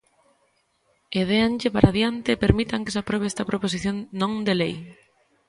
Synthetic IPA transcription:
eðeanʎepaɾʔaðjant̪eːpeɾmit̪aŋke̥sapɾeβeɛst̪ɐpɾopos̬iθjõŋnõŋd̪elej

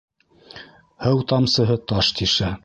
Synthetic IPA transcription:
hɤwt̪ɑmsɤ̆ɦɤt̪ɑʃt̪iʃæ

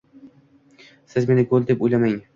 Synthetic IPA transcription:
sɪzme̞nɪɡolˠd̪epojlamaŋ

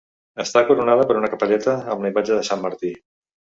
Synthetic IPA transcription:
əst̪akuɾunaðəpəɾunəkəpəʎɛt̪əːmləijmad͡ʒəðəsamːəɾt̪i

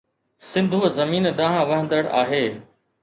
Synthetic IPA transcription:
sɪ̃nd̪ʱuːzɐmiːnɗãːɦãʋɐɦə̃nd̪əɽa̰ːɦeː

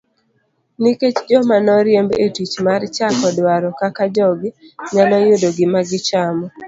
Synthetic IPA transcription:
niket͡ʃd͡ʒɔmanɔɾjembḛtwit͡ʃmart͡ʃakɔdwaɾɔkakad͡ʒɔɡɲanɔjʊdoɡɪmaɡɪt͡ʃamɔ

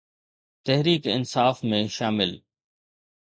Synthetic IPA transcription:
t̪ɛɦɾiːkɪ̰nsaːfmẽʃaːmɪl

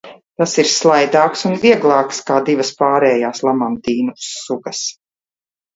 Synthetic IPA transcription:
t̪asiɾslˠajd̪aːksunviɛɡlˠɑːkskaːd̪ivɐspaːɾɛːjaːslˠamamt̪iːnusuɡɐs

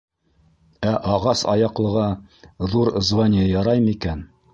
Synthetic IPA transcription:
æʔɑʁɑsɑ̰jɑqlˠɤ̆ʁɑðuɾzvanʲɪjɑjɑɾɑjmikæn

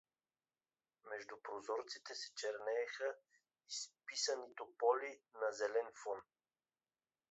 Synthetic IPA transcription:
mɛʒd̪upɾozɔɾt̪sit̪ɛsɛ̥t͡ʃɛɾnɛːxə | ispisənit̪opɔlinɐzɛlɛnfɔn

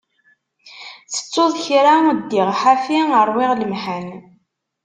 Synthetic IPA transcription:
θə̥t͡sːʊðˤçɾad̪ːɪʁħafiəɾˤwɪʁləmħən

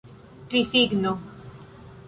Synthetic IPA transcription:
kɾisiɡno

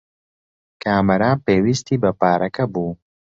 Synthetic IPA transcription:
kʰaːmɐɾaːpeːwist̪iːbɐpaːɾʔɐkɐbuː

